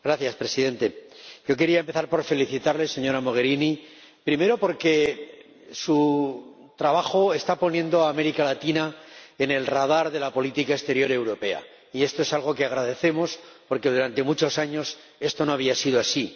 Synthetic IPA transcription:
ɡ̥ɾaθjaspɾe̞siðe̞nt̪e̞ʝo̞k̬e̞ɾiaempe̞θaɾpo̞ɾfe̞liθit̪aɾle̞se̞ɲo̞ɾamo̞ɣe̞ɾini | pɾime̞ɾo̞po̞ɾke̞ | su | t̪ɾaβaxo̞e̞st̪apo̞njẽ̞nd̪o̞aːme̞ɾikalat̪inaene̞lrað̞aɾðe̞lapo̞lit̪ikaest̪e̞ɾjo̞ɾe̞wɾo̞pe̞a̰ | ie̞st̪o̞e̞salɣ̞o̞ke̞aɣɾaðe̞θe̞mo̞spo̞ɾke̞ðuɾant̪e̞mut͡ʃo̞saɲo̞s | e̞st̪o̞no̞aβ̞iasiðoasi

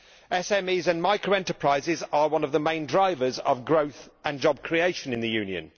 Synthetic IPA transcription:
ɛsɛmiːzə̃nmaɪkʰɹəʊɛ̃ntəpʰɹ̥aɪzɪzəwʌ̃nəvðəmẽɪ̃ndɹaɪvəzə̰vɡɹəʊθə̃nd͡ʒɒb̚kʰɹ̥ieɪʃə̃nɪ̃nðəjʉ̃ːnjə̰̃n

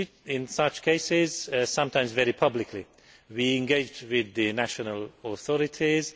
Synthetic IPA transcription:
ɪ̃nsʌt͡ʃkʰeɪsɪzsʌ̃mtʰãɪ̃mzvɛɹipʰʌblɪkʰli | wiɪ̃nɡeɪd͡ʒdwɪðɨnæʃənəlˠəθɔɹɪtʰiz̥

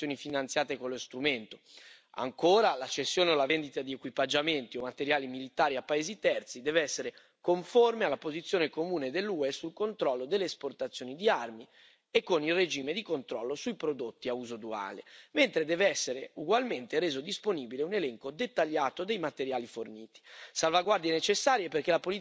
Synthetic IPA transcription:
joːnifinant̪sjaːt̪ekolːost̪ɾument̪o̥ | a̰ŋkoːɾalat͡ʃːesːjoːneolavend̪it̪ad̪iekwipad͡ʒament̪iomat̪eɾjaːlimilit̪aːɾiapːaeːzit̪ɛrt̪sid̪ɛːveɛsːeɾe | koɱformealːapozit̪sjoːnekomuːned̪elːuɛsulkont̪ɾɔlːod̪elːesport̪at̪sːjoːnid̪iarmi | ekːonilred͡ʒiːmed̪ikont̪ɾɔlːosujpɾod̪ot̪ːiauːzod̪ua̰ːlḛment̪ɾed̪ɛːveɛsːeɾeuɡwalment̪eɾeːzod̪isponiːbileunelɛŋkod̪et̪ːaʎːaːt̪od̪ejmat̪eɾjaːliforniːt̪i̥salvaɡward̪ijenet͡ʃesːaːɾjeperk̟elapoli

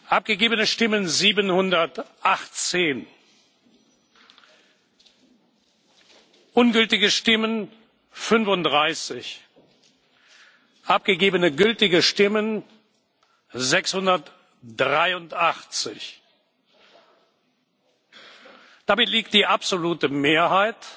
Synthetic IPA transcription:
ʔap̚ɡ̥əɡeːbənəʃtɪmənziːbənhʊndɐtʔaχt͡seːn | ʔʊnɡʏltɪɡəʃtɪmən | fʏnfʊnt̚d̥ʁaɪsɪç | ʔap̚ɡ̥əɡeːbənəɡʏltɪɡəʃtɪmən | zɛkshʊndɐt | d̥ʁaɪʊntʔaχt͡sɪç | d̥amɪtliːk̚t̚d̥iːʔapz̥oluːtəmeːɐhaɪt

